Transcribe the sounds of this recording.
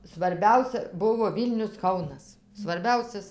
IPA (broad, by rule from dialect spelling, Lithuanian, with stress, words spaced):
sʋɐrʲˈbʲɛʊsʲɛ ˈbʊʋoː ˈʋʲiːlʲnʲʊs ˈkɐʊnɐs sʋɐrʲˈbʲɛʊsʲɛs